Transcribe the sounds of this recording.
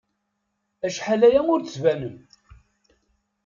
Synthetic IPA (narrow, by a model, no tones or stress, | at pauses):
æʃħalæjæmʊɾt͡st͡svænəm